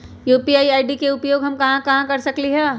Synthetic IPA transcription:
juːpiaːiaːɪɖikeʊpjoːɡɦɐmkɐɦãkɐɦãkɐɾsɐkliɦɛː

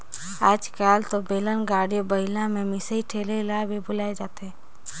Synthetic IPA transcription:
aːd͡ʒkaːlt̪obeːlənɡaːɽijobəɦɪlãmẽmɪsəiʈʰeːlelabʱibʊlaːed͡ʒaːt̪eɦɛ̃ː

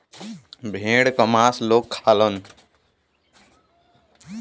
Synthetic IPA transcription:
bʱẽɽkəmasloːkʰːaːlən

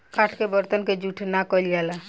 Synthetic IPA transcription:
kaʈʰkebəɾt̪ənked͡ʒuʈʰnakɔld͡ʒɛla

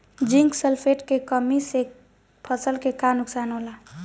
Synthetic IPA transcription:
d͡ʒiŋksəlpʰeʈkekəmise | pʰəsəlkekanuksanola

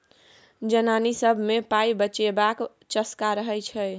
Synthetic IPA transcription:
d͡ʒənanisəbʱmepaibət͡ʃebak | t͡ʃəskaɾəɦɛjt͡ʃʰɛ

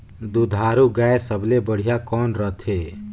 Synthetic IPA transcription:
d̪ud̪ʱaɾuɡaesəbʱlebəɽ̤ijakɔːnɾət̪ʰe

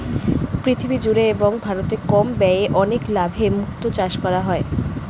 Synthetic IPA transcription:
pɾit̪ʰibid͡ʑuɾeeboŋbʱaɾot̪ekɔmbɛeʔɔneklabʱemukt̪ot͡ɕaʃkɔɾaɦɔe

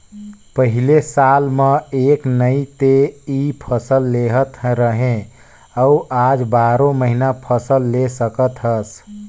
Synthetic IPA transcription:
pəɦilesalmeeknəit̪eipʰəsəlːeɦət̪ɾəɦẽ | əuʔad͡ʒbaɾoməɦinapʰəsəlːesəkət̪ʰəs

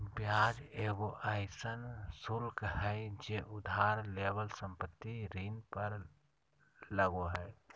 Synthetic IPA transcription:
bjaːd͡ʒeːɡoʔaːɪsənsʊlkhɛd͡ʒeʔʊd̪ʱaːɾleːbəlsə̃mpət̪ːiɾiːnpəɾ | ləɡoɦɛː

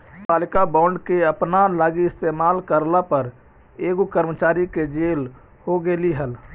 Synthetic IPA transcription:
paːlɪkabãːʊɳɖkeəpnalaːɡiɪst̪eːmaːlkəɾlapəɾ | eːɡukəɾmət͡ʃaːɾiked͡ʒeːl | hoɡeːliɦəl

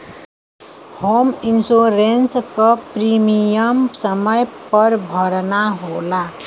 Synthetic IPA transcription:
hominsoɾenskʌprimijʌmsʌmʌjpʌɾbʱʌɾnaɦola

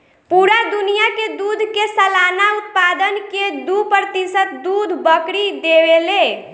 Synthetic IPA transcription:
puɾad̪unijaked̪ud̪ʱkesəlanaut̪̚pad̪ənked̪upəɾt̪isət̪̚d̪ud̪ʱbəkɾid̪ebele

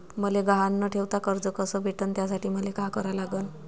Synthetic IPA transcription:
məleɡaɦanːəʈʰeʋt̪akəɾd͡zəkəsəbʱeʈənt̪jasaʈʰiːməlekakəɾalaɡən

